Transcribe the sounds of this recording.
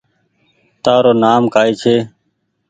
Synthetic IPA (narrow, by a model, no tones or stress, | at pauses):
t̪aːɾoːnaːmkaːiːt͡ʃʰeː